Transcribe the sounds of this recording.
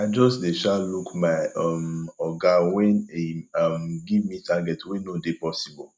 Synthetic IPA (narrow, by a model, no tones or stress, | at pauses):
aɪd͡ʒɔsdeʃalukmaɔmɔɡawɛ̃neɔmɡivmitʰaɡɛtwẽnõdepɔsibɔl